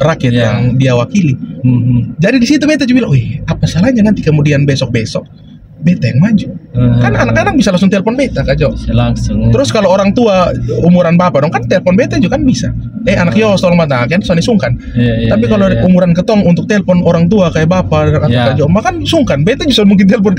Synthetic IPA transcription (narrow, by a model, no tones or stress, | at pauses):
rakiɛt̪jaŋdiawakili | d͡ʒadidisit̪̬ubɛt̪ad͡ʒubilaŋɛapasalahɲanant̪ikəmudianbɛsɔk̚bɛsɔk̚ | bɛt̪ajaŋmad͡ʒukananakanak̚bisalaŋsʊŋt̪ɛlfɔnbɛt̪akad͡ʒɔlat̪əɾʊskaloːɾaŋt̪uaumuɾanbapadɔŋkant̪ɛlfɔnbɛt̪ad͡ʒukanbisa̰ | ɛanakjɔst̪ɔlɔŋmat̪akansuanɲasuŋkan | t̪ap̬ikaloumuɾankət̪ɔŋunt̪ʊk̚t̪ɛlfɔnoɾaŋt̪̬uakajabapaaŋaakad͡ʒɔmbakansuŋkanbɛt̪ad͡ʒusamuŋk̬ɪnt̪̬ɛlfɔn